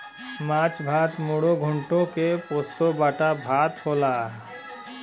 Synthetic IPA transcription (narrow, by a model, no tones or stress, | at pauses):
maːt͡ʃbʱaːt̪moɽoɡʱʊɳʈõkepoːst̪obaːʈabʱaːt̪hoːlaː